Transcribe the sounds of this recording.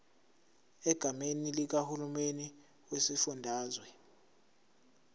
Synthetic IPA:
ɛɡ̥ʱamenilik̬ahulumeni | wesifundʱaːzwɛ

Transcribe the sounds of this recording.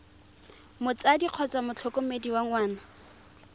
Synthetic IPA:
mʊt͡sadiq͡χʰɔt͡sʼamʊt͡ɬʰɔkʼomediwaŋwaːna

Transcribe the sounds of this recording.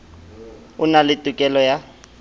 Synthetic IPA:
ʊnalɪtʼʊkʼɛlɔja

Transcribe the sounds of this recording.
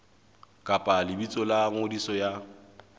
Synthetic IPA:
kʼapʼalɪbit͡sʼɔlaŋʊdisɔja

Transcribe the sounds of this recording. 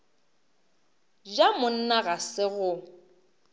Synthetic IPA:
d͡ʒamʊn̩naɣasɪɣʊ

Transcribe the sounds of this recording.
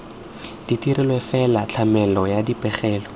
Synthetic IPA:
d̥itiɾɪlwefɛlat͡ɬʰamɛlɔjadipɛχɛːlɔ

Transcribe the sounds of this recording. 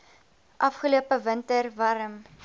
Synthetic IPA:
ʔɐfχəluəpəvəntərvɐɾəm

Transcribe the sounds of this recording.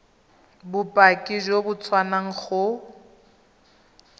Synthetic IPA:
bʊpʼakʼiʒobʊt͡sʰwanaŋ̩χʊ

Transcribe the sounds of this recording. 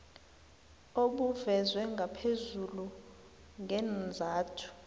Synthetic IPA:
oɓuvɛzwɛŋɡʱapʰezulu | ŋɡʱɛnd͡zʱaːtʰu̥

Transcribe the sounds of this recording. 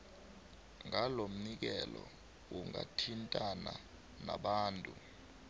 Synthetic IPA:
ŋalom̩nik̬ɛlɔ | wuŋatʰintʼana | naɓaːntʼu

